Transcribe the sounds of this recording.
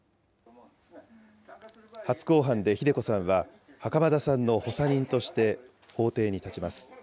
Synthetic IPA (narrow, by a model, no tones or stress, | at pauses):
hat͡sɨ̥ko̞ːɦãnd̪e̞çid̪e̞ko̞sãɰ̃βa | hakamad̪asãnːo̞ho̞saɲ̟ĩnt̪o̞ɕi̥t̪e̞ | ho̞ːt̪e̞ːɲ̟it̪at͡ɕimasɨ̥